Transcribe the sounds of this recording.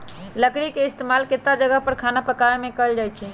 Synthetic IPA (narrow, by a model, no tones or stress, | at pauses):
ləkɽikeist̪emalket̪ːad͡ʒəɡəɦpəɾkʰanapəkaemẽkəld͡ʒajt͡ʃʰɛ